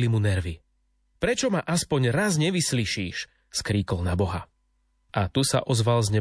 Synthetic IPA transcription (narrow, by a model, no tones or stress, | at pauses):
limunɛɾʋi | pɾɛt͡ʃɔmaʔaspɔɲɾazɲɛʋisliʃiːʃ | skɾiːkɔlnabɔɦa | ʔat̪usa̰ʔɔzʋalzɲɛ